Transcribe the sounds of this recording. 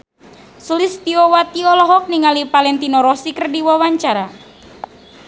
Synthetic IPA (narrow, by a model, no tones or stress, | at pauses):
sulist̪iɔwat̪iɔlɔɦɔk̚niŋalipalɛnt̪inɔɾɔsikərdiwawaɲt͡ʃaɾa